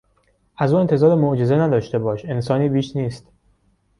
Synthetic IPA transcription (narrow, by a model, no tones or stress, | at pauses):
ʔæzuːe̞nt̪ʰe̞zɒːɾemoʔd͡ʒe̞ze̞næd̪ɒːʃt̪e̞bɒːʃe̞nsɒːniːbiːʃniːst̪